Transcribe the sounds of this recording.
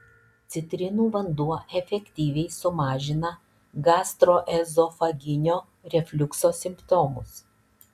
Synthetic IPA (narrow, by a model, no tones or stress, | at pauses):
t̪sʲɪt̪ʲɾʲɪnuːʋɐnd̪uɔɛfʲɛkʲt̪ʲiːʋʲɛɪsʊmɑːʒʲɪnɐ | ɡɑːst̪ɾoːʔɛzɔfɐɡʲɪnʲoː | ɾʲɛfʲlʲʊksoːsʲɪmpt̪ɔːmʊs